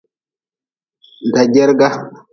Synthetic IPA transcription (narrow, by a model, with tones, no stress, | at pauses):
nda˨ɟɛ˦ɾɡa˦